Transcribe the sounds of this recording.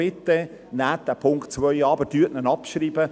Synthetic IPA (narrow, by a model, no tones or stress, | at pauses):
ɪt̪ːe | næːt̪̚d̥̪æpʰʊŋkt̚t͡sʋœjɑːbətyətnənɑpʃɾiːb̥ə